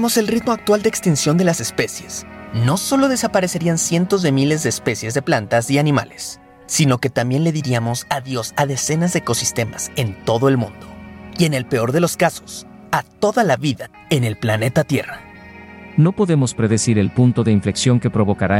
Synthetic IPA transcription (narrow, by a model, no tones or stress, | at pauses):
mo̞se̞lrit̪moak̚t̪wald̪eːkst̪insjo̞nd̪e̞lase̞spe̞sje̞sno̞so̞lo̞ð̞e̞sapaɾe̞se̞ɾiansje̞nt̪o̞zðe̞mile̞zðe̞ːspe̞sjezðe̞plant̪asianĩma̰le̞sː | ino̞ke̞t̪ambje̞nle̞ðiɾiamo̞saðjo̞saðe̞se̞nazðeːko̞sist̪e̞mase̞nt̪o̞ðo̞e̞lmṵ̃nd̪o̞̥ie̞ne̞lpe̞o̞ɾðe̞lo̞skaso̞s | at̪o̞ðalaβiða | e̞ne̞lplane̞t̪at̪je̞ra | nopo̞ðe̞mospɾe̞ðe̞siɾe̞lpunt̪o̞ðe̞iɱfle̞ksjo̞ŋke̞pɾo̞βo̞kaɾa